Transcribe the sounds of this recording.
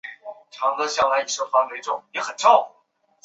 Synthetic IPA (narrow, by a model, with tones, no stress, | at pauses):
ʈ͡ʂʰɑ˧˥ŋd̪ə˧ɕjɑ˥˩la˧˥i˧˥˩ʂɤ˥˩fwa˧˥nwe˧ɪʈ͡ʂʊ˥˩ŋjɛ˨˧˥xə˨˩nʈ͡ʂɑ˥˧ʊfu˨˩